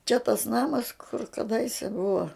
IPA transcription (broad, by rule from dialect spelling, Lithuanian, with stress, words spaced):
t͡ʃʲɛ tɐs ˈnɑːmɐs kʊr kɐˈdɐɪsʲɛ ˈbʊʋɐ